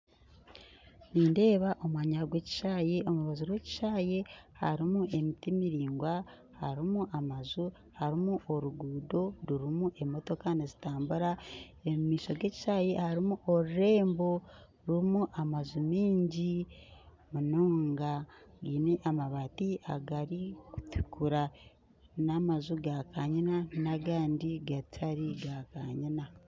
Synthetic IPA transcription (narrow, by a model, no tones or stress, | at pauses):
niːnde̞ːβaʔo̞mwaːɲaɡwe̞ːci̥ʃaːje̞o̞muɾuβazuɾwe̞ːci̥ʃaːje̞ha̰ɾimuʔe̞mitimiɾiːŋɡwa | haɾimuʔamazu | haɾimuʔoɾuɡuːdo̞ɾuɾimuʔe̞mo̞to̞kanezitaːmbuɾa | emumiːʃo̞ɡe̞ːci̥ʃaːje̞haɾimuʔoɾuɾe̞ːmbo̞ | ɾumuʔamazumiːɲɟi | munoːŋɡaɡiːneʔamaβaːtia̰ɡaɾiku̥ti̥kʰuɾa | namazuɡakaɲinanaɡaːndiɡatʰaɾiɡakaɲina